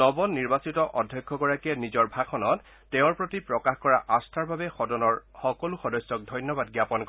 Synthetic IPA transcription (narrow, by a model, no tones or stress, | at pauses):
nɔbɔnːiɹbasitɔʔɔdʱjɔjkʰːɔɡɔɹakiɛnizɔɹbʱakʰɔnɔtː | ɛʊ̃ɹpɹotipɹɔkaxkɔɹaʔastʰaɹbabɛxɔdɔnɔɹxɔkɔluxɔdɔjsːɔk̚dʱɔjnjɔbad̚ɡjapɔnkɔ